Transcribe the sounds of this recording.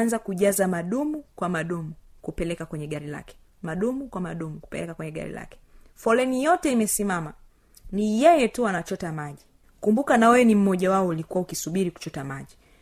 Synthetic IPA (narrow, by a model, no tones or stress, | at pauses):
nzakuʄazamaɗumukwamaɗumukupɛlɛkakwɛɲɛɠaɾila̰kɛ̥ | maɗumukwamaɗumuku̥pɛ̰lɛkakwɛɲɛɠa̰ɾḭla̰kɛ̥ | fɔlɛnijɔtɛimɛsimama | nijɛjɛtuwanat͡ʃɔtamaʄi | kumbukanawɛɛnim̩mɔʄawaɔulikuwaukisuɓiɾiku̥t͡ʃɔtamaʄi